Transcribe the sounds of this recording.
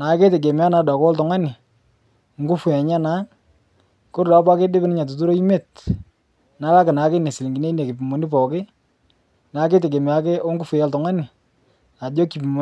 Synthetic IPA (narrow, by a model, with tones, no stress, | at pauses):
na˨˦ke˦te˨k̬e˨mɪ˨˦a˦na˨˦da˨kwɔ˦ltɔ˨ŋa˦nɪ˨ | ŋɡu˦fu˨ja˨ɲa˦na˦ | kʊ˦ɾda˨˦pa˦ke˦dɪ˦bɪ˦nɪ˦ɲa˨t̬u˨tu˦ɾo˦i˦me˦˨t | na˦la˦kɪ˨na˨˦ke˦ne˨si˨li˨ŋɡi˨ne˦ne˨ki˨pi˨mo˨ni˦pɔ˨kɪ˦ | na˨˦ke˦t̬e˨k̬e˨m˨a˨˦ke˦o˦ŋɡu˦fʊ˨ja˦ltɔ˨ŋa˦nɪ˨ | a˨do˦ki˨pi˨m˨